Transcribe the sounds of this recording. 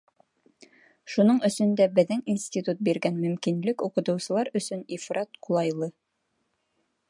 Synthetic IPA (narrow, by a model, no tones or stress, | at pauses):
ʃunɤɴɵ̆sɵ̆nd̪æbɘ̆ðɘŋinsʲt̪ʲit̪ut̪̚biɾɡænmɵ̆mkinlɘkuqɤ̆t̪ɤ̆wsɤ̆lˠɑɾɵ̆sɵnifɾɑt̪̚qʰulˠɑjlˠɤ